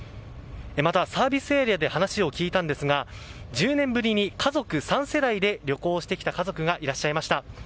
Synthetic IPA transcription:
emat̪asaːbʲisɨeɾʲiad̪e̞hanaɕio̞kʲiːt̪ãnd̪e̞sɨɡa | d͡ʑɨːnẽ̞mbɯ̟ɾʲiɲ̟ikʰazo̞kɯ̟sãɰ̃se̞d̪aid̪e̞ɾʲo̞ko̞ːɕi̥t̪e̞kʲi̥t̪akazo̞kɯ̟ɡaʔiɾaɕːaimaɕi̥t̪a

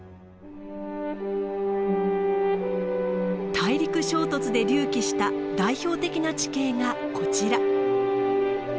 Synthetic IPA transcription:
t̪ʰaiɾʲikɯ̟ɕo̞ːt̪o̞t͡sɨd̪e̞ɾʲɨːkʲiɕi̥t̪ad̪aiço̞ːt̪e̞kʲinat͡ɕi̥ke̞ːŋa | kʰo̞t͡ɕiɾa

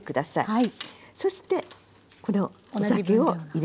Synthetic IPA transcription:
kɯ̟d̪asaiiso̞ɕi̥t̪e̞ | ko̞no̞ | osakeoiɾ

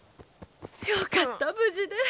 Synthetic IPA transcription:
jokat̪ːabɯ̟d͡ʑid̪e

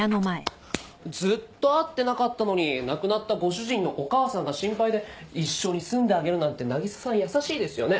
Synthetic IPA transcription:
anomaḛ | d͡zɨt̪ːo̞at̪ːe̞nakat̪ːano̞ɲ̟inakɯ̟nat̪ːaɡo̞ɕɨʑĩnːo̞ʔokaːsãŋɡaɕĩmpaid̪e̞iɕːo̞ɲ̟isɨ̃nd̪e̞aɡe̞ɾɯ̟nãnt̪e̞naɡʲisḁsãɰ̃jasaɕiːd̪e̞sɨjo̞ne̞

